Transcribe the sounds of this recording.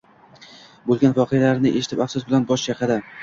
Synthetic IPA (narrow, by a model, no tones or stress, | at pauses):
bolˠɡʲanvɒqʰɨjalaɾnɪʔeʃɪt̪ʰɪpafsʊsbɪlanbɒʃjɑqʰɑd̪a